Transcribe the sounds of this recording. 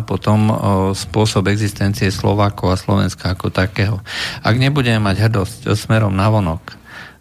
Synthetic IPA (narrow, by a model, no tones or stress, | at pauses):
pɔt̪ɔmspʊɔsɔbɛɡzist̪ɛnt͡siɛslɔ̰ʋaːkɔʊaslɔ̰ʋɛ̰nskaːkɔt̪akɛːɦɔa̰ɡɲɛbuɟɛmɛmaɟɦr̩d̪ɔscsmɛɾɔmnaʋɔnɔk